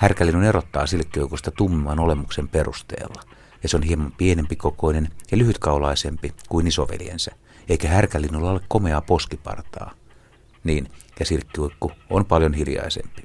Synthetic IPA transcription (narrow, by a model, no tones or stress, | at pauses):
hærkælːinunerot̪ːɑ̰ːsilkːiuikust̪ɑt̪umːiʋɑnolemuksemperṵst̪ḛːlːɑ | jɑseonhiemɑmpienempikokoinenjɑlyhyt̪kɑulɑisempikuinisoʋḛljḛnsæ | eikæhærkælːinːulːɑolːekkomeɑposkipɑ̰rt̪ɑ̰ː | niːnkæsilkːiuikːuonpɑljonhiljɑ̰isḛmpi̥